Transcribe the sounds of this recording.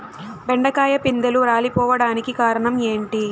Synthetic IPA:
bɛɳɖɐkaːjɐpind̪ɐluɾaːlipɔːʋɐɽaːnikikaːɾɐɳɐme̞ːɳʈi

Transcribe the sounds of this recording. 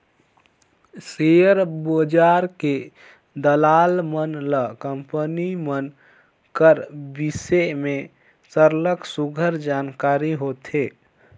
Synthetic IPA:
sejəɾbod͡ʒaɾke | d̪əlalmənləkəmpənimən | kəɾbiseme | səɾləksuɡʱəɾd͡ʒankaɾiɦot̪ʰe

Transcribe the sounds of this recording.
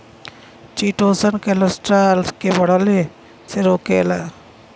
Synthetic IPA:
t͡ʃiːʈoːsənkeləsʈɾaːlskebʱəɽale | seɾoːkeːla

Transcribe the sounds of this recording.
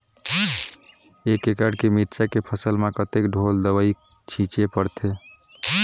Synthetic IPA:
ekːekaɖkemiɾt͡ʃakepʰəsəlmekət̪ekɖʱold̪əbəi | t͡ʃʰĩt͡ʃepəɾt̪ʰe

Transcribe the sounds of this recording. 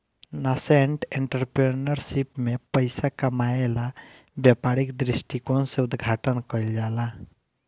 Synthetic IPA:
naseɳʈeɳʈəɾpɾenəɾsipmepəɪsakəmaela | bjapaɾikd̪ɾisʈikonsẽʊd̪ɡʱaʈənkəɪld͡ʒala

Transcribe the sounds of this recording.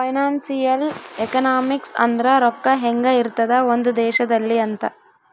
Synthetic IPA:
pɐjnaːnsijɐlekɐnaːmiksɐ̰nd̪ɾɐɾɔkːɐɦeŋɡɐiɾt̪ɐd̪ɐo̞nd̪ud̪ɛːʃɐd̪ɐlːiɐnt̪ɐ

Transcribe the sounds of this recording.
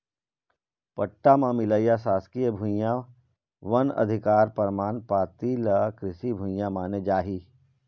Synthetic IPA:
pəʈːamãmɪləjasaːskijəbʱʊ̃jã | ʋɐnɐ̰d̪ʱɪkaːɾpəɾmaːnpaːt̪iləkɾɪsibʱʊ̃jãmaːned͡ʒaːɦiː

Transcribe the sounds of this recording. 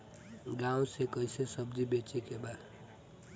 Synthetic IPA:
ɡãːũsekəɪsesəb̚d͡ʒibet͡ʃekebad̪

